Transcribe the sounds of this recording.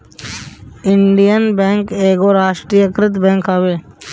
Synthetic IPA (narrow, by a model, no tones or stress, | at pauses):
ɪɳɖijənbɛ̃ːŋkeːɡoɾaːʃʈɾiːjəkɾɪt̪bɛ̃ːŋkaːʋeː